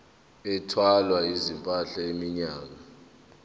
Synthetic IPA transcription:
ɛtʰwalwaizimpʼaɬaemiɲaːk̬a

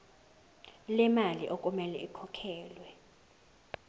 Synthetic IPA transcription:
lɛmaliʔokʼumɛlɛ̰ʔikʰɔkʰɛːlwɛ

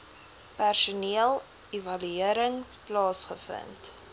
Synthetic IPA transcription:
pærsuniəlˠ | evɐlyiəɾəŋplɑːsχəfə̰nt

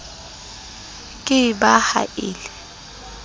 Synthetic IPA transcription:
kʼɪbaha̰ʔɪːlɛ

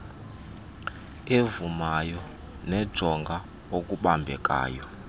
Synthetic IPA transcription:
evumajɔ | nɛd̥ʒ̥ʱɔŋɡʱa | okʼuɓambʱɛkʼa̰ːjɔ

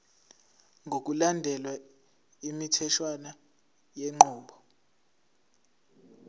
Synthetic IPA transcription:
ŋʱok̬ulandʱɛlwa | imitʰɛʃwana | jeŋ͡ǃuːɓɔ

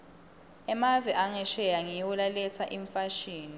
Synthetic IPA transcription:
ɛmavɛʔaŋɛʃɛjaŋijwulalɛt͡sʰaʔiɱfaʃiːni

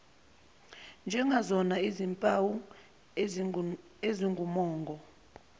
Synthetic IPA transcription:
nd͡ʒʱɛŋɡazɔnaizimpʼawu | eziŋɡʱumɔːŋɡʱɔ

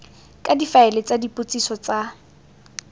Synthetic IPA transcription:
kʼadifaɛlɪt͡sadipʼʊt͡sʼisɔt͡sʼa

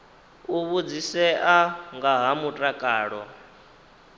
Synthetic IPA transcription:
uβud͡zisɛʔaŋɡaɦamutʼakʼaːɺɔ

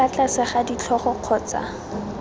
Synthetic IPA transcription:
at͡ɬasɪχadit͡ɬʰɔχɔq͡χʰɔːt͡sa̰

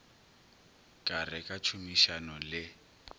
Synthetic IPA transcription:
kʼarɪkʼat͡ʃʰumiʃanʊlɪ

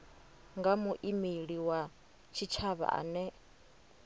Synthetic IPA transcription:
ŋɡamuʔimiɺiwa | t͡ʃʰit͡ʃʰaβa̰ʔa̰ːnɛ

